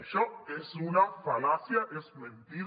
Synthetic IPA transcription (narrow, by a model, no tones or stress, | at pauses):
ʃoesunafalasjaʔesmẽnt̪iɾ